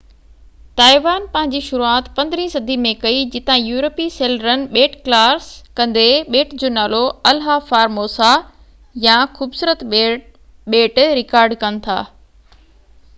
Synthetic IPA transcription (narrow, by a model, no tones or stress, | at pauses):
t̪aːɪʋaːnpɐ̃ɦɪ̃ɲd͡ʑiʃʊɾuaːt̪pɐ̃nd̪ɪɾĩsɐd̪ʱimẽkɐid͡ʑɪt̪ãjuːɾəpiseːləɾənɪ̆ɓeːʈklaːɾskɐ̃nd̪eɓeːʈd͡ʑoːnaːloɐlɦafaːɾmoːsa | jãxuːbsuːɾət̪ | ɓeːʈɾɪkaːɾɖkɐnɪ̆t̪ʰa̰ː